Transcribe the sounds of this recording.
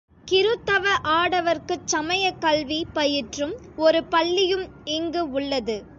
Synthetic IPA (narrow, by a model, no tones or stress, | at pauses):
kɪɾɯt̪ːɐʋɐʔaːɽɐʋɐɾkɯt͡ʃɐmɐjɐkɐlʋipɐjɪʈrɯm | ɔɾɯpɐɭːɪjɯmɛŋɡɯʊɭːɐðɯ